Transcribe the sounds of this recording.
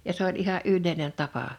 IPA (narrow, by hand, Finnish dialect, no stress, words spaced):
jɑ s olʲ ʔihɑʔ ʔylːeˑinen tɑpɑ